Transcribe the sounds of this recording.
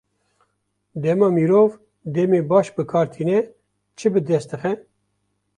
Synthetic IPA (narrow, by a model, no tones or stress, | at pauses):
d̪ɛmɑːmiːɾoːv | d̪ɛmeːbɑːʃbɨkʰɑːɾt̪ʰiːnɛ | t͡ʃʰɨbɨd̪ɛst̪ɨxɛ